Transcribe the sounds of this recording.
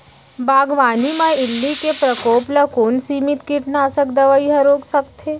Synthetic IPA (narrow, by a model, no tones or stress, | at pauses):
bʱaːɡʋaːnimãɪlːikepɾəkoːplɐkoːnsiːmɪt̪kiʈnaːsək̚d̪ɐʋəiɦɐ̃ɾoːksɐkt̪ɦeː